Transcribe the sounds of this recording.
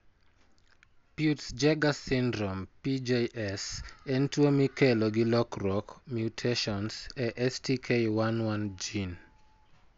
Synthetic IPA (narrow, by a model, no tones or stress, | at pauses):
pjutsd͡ʒɛɡasindɾɔmpid͡ʒejʔɛsɛntwomikɛloɡɪlɔkrɔkmjutʰeʃɔnsɛʔɛstikʰejwanwand͡ʒin